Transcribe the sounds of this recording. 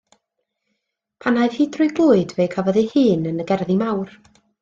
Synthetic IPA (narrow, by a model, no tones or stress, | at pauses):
pʰanajð̥hiːdʰrʊjɡlˠʊːɨdvejkʰavɔðihɨːnənəɡɛrðimawr